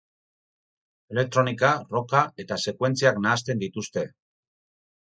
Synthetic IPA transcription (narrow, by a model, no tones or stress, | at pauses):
e̞le̞k̚t̪ɾo̞nikaro̞kae̞t̪ase̞kwe̞nt͡siaknaːst̪e̞nd̪it̪ust̪e̞